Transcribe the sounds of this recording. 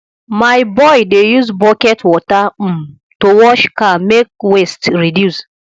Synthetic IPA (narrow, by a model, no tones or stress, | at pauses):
maɪbɔɪdejuzbɔkɛtwɔta | towɔʃkãnmek̚westɹidjus